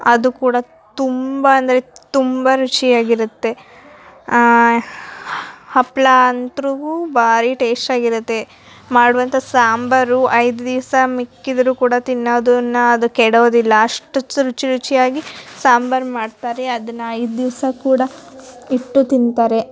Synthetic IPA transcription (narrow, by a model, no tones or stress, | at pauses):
ɐd̪ukuːɽɐ | t̪umbɐɐnd̪ɐɾe̞t̪umbɐɾut͡ʃijaːɡiɾut̪ːe̞ | hɐplant̪ɾuɡubʱaːɾiʈeːsʈaːɡiɾut̪ːe̞ | maːɽuʋɐnt̪ɐsaːmbɐɾuʔɐjd̪ud̪iʋsɐmikːid̪ɐɾuːkuːɽɐt̪inːoːd̪unːɐɐd̪ukɛɽoːd̪ilːɐaɐʂʈɐt͡ʃːuɾut͡ʃiɾut͡ʃijaːɡisaːmbɐɾmaːɖt̪aːɾeɐd̪ɐnːɐɐjd̪d̪iʋsɐkuːɽɐiʈːut̪int̪aːɾe̞